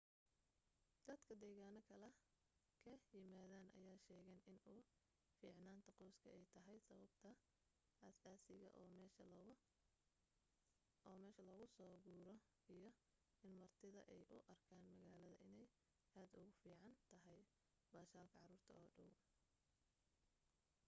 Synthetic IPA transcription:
d̪̥ɐd̪̥kʰɐd̪ɛːɣaːnɔkʰɐlɛ | kʰɐjɪmaːðaːnʔɐ̰jaːʃɛːɣɛnɪnuː | fiːʕnaːnt̪ʰɐqɔwskʰɐɛjt̪ʰɐɦɛjsɐβɐbt̪ʰɐ | ɐsaːsɪɣɐ̰ʔɛʃɐ | ɔːmɛːʃɐlɔɣʊsɔːɣuːɾɔ | ijɞ | ɪnmɐrt̪ʰɪðɐ̰ʔɛjʔʊ̰ʔɐrkʰaːnmɐɣaːlɐðɐ̰ʔɪnɛj | ʔaːd̪ʊɣʊfiːʕɑnt̪ʰɐɦɛj | baːʃaːlkʰɐʕɑruːrt̪ʰɐɔːɖɐw

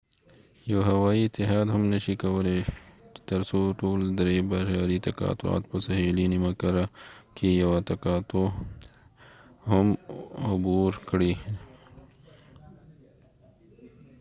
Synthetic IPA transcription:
joɦɐwaːiɪt̪ːɪɦaːd̪ɦɐmnɐʃikɐwɐlet̪ɐɾsoʈoːld̪ɾebaʃaːɾit̪ɐka̰ːt̪ua̰ːt̪pɐsɐɦiːlinimɐkɐɾakijɐwat̪ɐkaːt̪o | ɦɐmʊbuːɾkɽiː

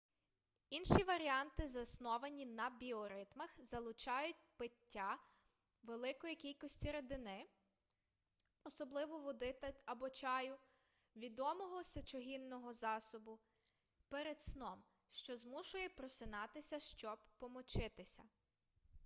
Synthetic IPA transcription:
inʃiʋɐɾʲiɑnt̪ɪzɐsnɔʋɐnʲinɐbʲiɔɾɪt̪mɐxzɐlˠʊt͡ʃɑjʊt̚ʲpɪtʲːa | ʋelˠɪkɔjikʲilʲkɔsʲtʲiɾed̪ɪnɪ | ɔsɔblˠɪʋɔʋɔd̪ɪt̪ɐɐbɔt͡ʃɑjʊ | ʋʲid̪ɔmɔɦɔsʲɐt͡ʃɔɦinːɔɦɔzɑsɔbʊ | peɾed̪snɔm | ʃt͡ʃɔzmuʃʊjɛpɾɔsɪnɑt̪ɪsʲɐʃt͡ʃɔbpɔmɔt͡ʃɪt̪ɪsʲɐ

